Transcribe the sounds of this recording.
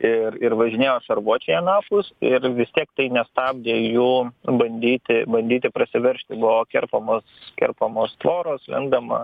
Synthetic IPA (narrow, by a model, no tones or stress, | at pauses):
ɪɾɪɾʋɐʒʲɪnʲeːjoːʃɐɾʋuɔt͡ʃʲejɛnɑːpʊsɪɾʋʲɪst̪ʲiɛkt̪ɐɪnʲɛst̪ɑːb̚ʲd̪ʲeːjuːbɐnʲd̪ʲiːt̪ʲɪbɐnʲd̪ʲiːt̪ʲɪpɾɐsʲɪʋʲɛɾʲʃʲt̪ʲɪbʊʋoːkʲɛ̰rpɐmoːskʲɛ̰rpɐmoːst̪ʋoːɾoːslʲɛ̰ŋɡd̪ɐmɐ̰